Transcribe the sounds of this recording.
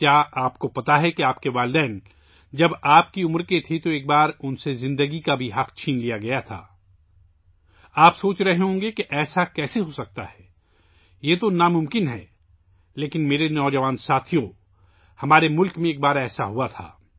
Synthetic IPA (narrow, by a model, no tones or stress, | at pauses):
kjaːaːpkopɐt̪aɦɛkeaːpkeʋaːlɪd̪ɛːn | d͡ʒɐbaːp̚kiʊmɾket̪ʰit̪oeːk̚baːɾʊnsezɪ̃nd̪əɡikabʱiɦɐqt͡ʃʰiːnlijaɡɐjat̪ʰa̰ː | aːpsoːt͡ʃɾɐɦeɦõːŋ̆ɡekeʔɛːsakɛːseɦosɐk̚t̪aɦɛː | jeːt̪onamʊ̃mkɪnɦɛ̰ː | leːkɪnmeːɾenɔːd͡ʒɐʋaːnsaːt̪ʰijõ | hɐmaːɾemʊlkmẽeːk̚baːɾɛːsaɦuat̪ʰa̰ː